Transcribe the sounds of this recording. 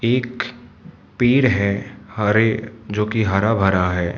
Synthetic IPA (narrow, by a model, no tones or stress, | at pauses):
eːk | piːɾɦɛːhɐɾed͡ʒoːkiɦɐɾabʱɐɾaɦɛː